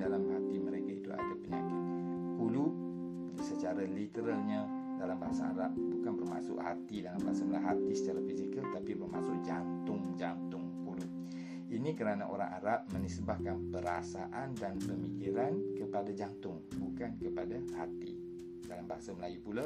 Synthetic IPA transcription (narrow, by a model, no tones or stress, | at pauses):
dalamhat̪iməɾekait̪ua̰dapəɲakɪt̪̚kulu | sət͡ʃaɾalit̪əɾalɲa | dalambaɦasaa̰ɾap̚bukanbərma̰sʊ̰ʔha̰t̪idalambaɦasaməlaɦat̪isə̥t͡ʃaɾafisikəlt̪apibərma̰sʊʔ̚d͡ʒant̪ʊŋd͡ʒant̪ʊŋkulu | inikəɾanaʔo̰ɾa̰ŋa̰ɾap̚mə̃nisbahkanpəɾasa̰ʔandanpəmikiɾankəpadad͡ʒant̪ʊŋbukankəpadahat̪ḭ | dalambaɦasaməlajupula